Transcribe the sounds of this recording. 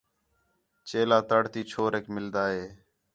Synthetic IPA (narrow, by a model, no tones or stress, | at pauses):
t͡ʃeːlaːt̪əɽt̪iːt͡ʃʰoːɾeːkmɪld̪aːɦeː